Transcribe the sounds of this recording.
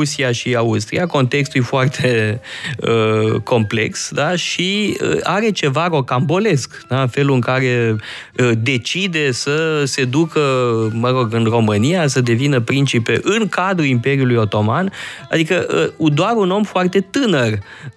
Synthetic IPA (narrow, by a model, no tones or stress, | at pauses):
usiaʃiaust̪ɾḭako̞nt̪e̞kst̪ulujfoart̪ʰe̞ | əko̞mple̞ksd̪aʃiə̰aɾe̞t͡ʃe̞vaɾo̞kambo̞le̞skd̪afe̞luɨŋkaɾe̞ | əd̪e̞t͡ʃid̪e̞səse̞d̪ukəməɾo̞ɡɨnro̞mɨnijasəd̪e̞vinəpɾint͡ʃipḛʔɨŋkad̪ɾuimpe̞ɾiulujo̞t̪o̞manad̪ikəʔəud̪oaɾuno̞mfoart̪e̞t̪ɨnər